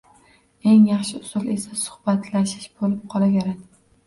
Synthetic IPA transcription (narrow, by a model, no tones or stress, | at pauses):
e̞ŋjɑχʃɪʊsʊlesasʊ̥hb̥at̪ʰlaʃɪʃbolɪp̚qʰɒlˠaɡʲaɾad̪ɪ